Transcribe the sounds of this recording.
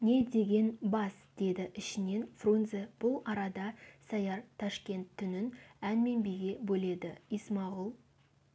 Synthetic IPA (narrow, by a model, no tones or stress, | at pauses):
ne̞d̪e̞ɡʲe̞nbɑsd̪̥e̞d̪ɪʔɪʃɪne̞nfrunzeb̥ʊlˠɑɾɑd̪ɑsɑjɑɾt̪ʰɑʃkʲe̞nt̪ʰːʏnɪnænme̞nbijɡʲe̞bɵle̞d̪ɪismɑʁəlˠ